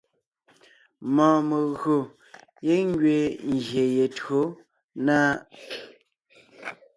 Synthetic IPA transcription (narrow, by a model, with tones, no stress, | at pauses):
mɔ̃ː˨mə˨ɣɰo˨ | je˦ŋ˦ɡɥe˨ŋ˨ɡje˨je˨tɰo˨˦ | naː˦